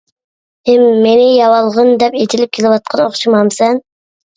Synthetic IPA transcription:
emːenijɑwɑlˠʁɯnd̪ɛpet̪ʰilip̚kʰʲeliwɑt̪̚qʰɑnoχt͡ʃʰumɑmsɛn

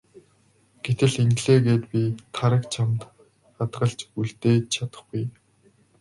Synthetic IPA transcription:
ɡ̥et̪ɘ̆ɮeŋɡɮeːɣeːt̪pʲit̪ʰaɾə̆kt͡ɕʰamt̪ | ɢat̪ɢə̆ɮt͡ɕuɮt̪eːt͡ɕʰat̪ə̆χɡuj

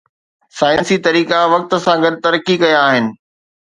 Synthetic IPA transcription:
saːɪ̃nsit̪ɐɾiːkaʋɐk̚t̪ə̆sãɡɐd̪̚ʱt̪ɐɾəkikɐjaːɦɪnɪ̆

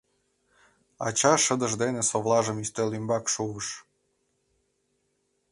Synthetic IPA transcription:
ɑ̰t͡ɕɑʃəd̪əʒd̪enesoβlɑʒə̆myst̪ølymbɑkʃuβəʃ

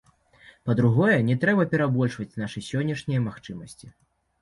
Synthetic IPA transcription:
pɐd̪ɾuɣɔjɛnʲɛt̪ɾɛbɐpʲɛɾabɔlʲʂvɐt͡sʲnaʂɨsʲɔnʲːɛʂnʲijɐmaxt͡ʂɨmɐsʲt͡sʲi

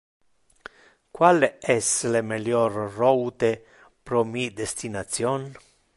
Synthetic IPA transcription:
kwaleɛslemeljɔrrɔwt̪e | pɾomid̪est̪inat̪sjɔn

